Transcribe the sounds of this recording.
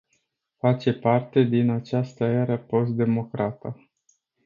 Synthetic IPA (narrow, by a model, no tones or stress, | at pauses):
fat͡ʃe̞part̪e̞d̪inat͡ʃast̪əeɾəpo̞st̪̚d̪e̞mo̞kɾat̪a